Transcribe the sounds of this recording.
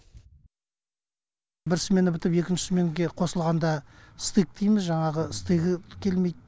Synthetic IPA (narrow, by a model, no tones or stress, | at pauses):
bɪɾsme̞nɪbɪt̪ɪpe̞kʲɪnʃɪ̥sme̞ŋɡʲe̞qʰo̞səlˠʁɑnd̪ɑst̪ik̚t̪ijmɪzʒɑɴɑʁəɪst̪iɡʲɪkʲʰe̞lme̞jd̪̚